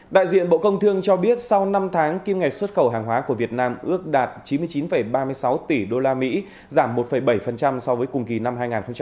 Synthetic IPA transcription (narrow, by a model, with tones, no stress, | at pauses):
ɗa̰ː˧˨jzḭ˧˨ənɓo̰˧˨kə˧wŋ͡mt̪ʰɨ˧əŋt͡ɕɔ˧ɓi˦˥ət̚sa˧wna˧mt̪ʰaː˨˦ŋki˧mŋa˨˩jk̚swə˦˥t̚xə˧˩wɦaː˨˩ŋɦwaː˨˦ku˧˩əvi˨˩ət̚naː˧mʔɨ˦˥ək̚ɗaː˨˩t̚t͡ɕi˨˦mɨ˧əjt͡ɕi˨˦nfə˧˩jɓaː˧mɨ˧əjsa˨˦wt̪i˧˩ɗo˧laː˧mḭ˧˥ | zaː˧˩mːo˨˩t̚fə˧˩jɓə˧˩jfə˨˩nt͡ɕa˧msɔ˧wvəː˨˦jkʊ˨˩ŋ͡mki˨˩na˧mɦaː˧jŋaː˨˩nxə˧wŋ͡mt͡ɕa˧